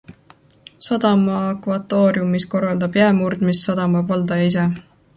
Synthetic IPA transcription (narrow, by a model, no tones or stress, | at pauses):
sɑd̪̥ɑmɑːkvɑt̪ːo̞ːɾjumːisko̞rːɑld̪ɑb̥jæmurd̪̥misːɑd̪̥ɑmɑbvɑld̪̥ɑjis̬e